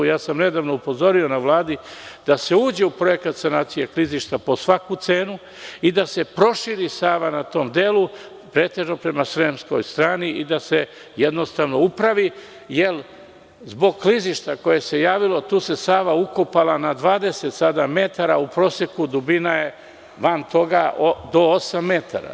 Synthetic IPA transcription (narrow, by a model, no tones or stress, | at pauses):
jaːsamne̞d̪aːʋno̞upo̞zo̞ɾio̞naʋlaːd̪id̪̥ase̞uːd͡ʑe̞upɾo̞je̞kat̪senaːt̪sijekliziʃt̪apo̞sʋakut̪se̞ːnu | id̪ase̞pɾo̞ʃiɾisaːʋanat̪o̞ːmd̪e̞ːlˠu | pɾeːt̪e̞ʒnopɾe̞masɾemsko̞̰jst̪ɾaːniʔid̪ase̞ | jed̪no̞st̪aʋno̞upɾaʋi | jel | zbo̞ɡkliziʃt̪ako̞je̞se̞jaːʋilo̞t̪uːse̞saːʋauko̞palanad̪ʋaːd̪e̞se̞t̪sad̪ame̞t̪aɾaupɾo̞ːse̞kud̪ubinaje̞ | ʋant̪o̞ɡaod̪o̞osamːe̞t̪a̰ɾa̰